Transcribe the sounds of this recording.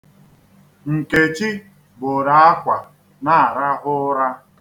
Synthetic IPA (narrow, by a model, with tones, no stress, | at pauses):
ŋ̩˨ke˨t͡ʃi˦ | bo˨ɾa˨a˦kʷa˨ | na˦a˨ɾa˦ɦʊ˦ɾa˦